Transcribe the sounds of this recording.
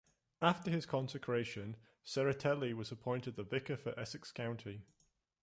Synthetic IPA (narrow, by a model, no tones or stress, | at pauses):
aftəɪz̥kʰɒ̃nsɪkʰɹ̥eɪʃə̃n | sɛɹətʰɛlˠiwɒzəpʰɔ̃ɪ̃ntɪd̪̚ðəvɪkəfəɹʔɛsɪkskʰãʊ̃ntʰi